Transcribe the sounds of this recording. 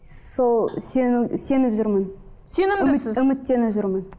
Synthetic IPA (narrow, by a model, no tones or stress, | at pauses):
solˠsense̞nɪpʒʊɾmən | senɪmɪsɪzʏmɪt̪ːe̞nɪpʒʊɾmən